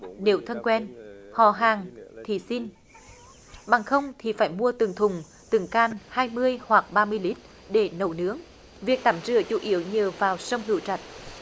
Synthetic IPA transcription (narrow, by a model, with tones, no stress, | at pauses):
ne˨˦wt̪ʰə˧nkwɛ˧nhɔ̰˧˩˨ɦaː˨˩ŋt̪ʰi˨˩si˧n | ɓa˨˩ŋxə˧wŋ͡mt̪ʰi˨˩faː˧˩jmu˧ət̪ɨ˨˩ŋt̪ʰʊ˨˩ŋ͡m | t̪ɨ˨˩ŋkaː˧˩nhaː˧jmɨ˧əjhwa˨˩k̚ɓaː˧mɨ˧əjli˦˥t̚ | ɗe˧˩nə˨˧˩wnɨ˦əŋ | vi˨˩ək̚t̪aː˧˩mzɨ̰˧˩ət͡ɕu˧˩˦ʔi˧˦əwɲəː˨˩vaː˨˩wsə˧wŋ͡mɦɨ̰˧˩əwt͡ɕa˨˩t̚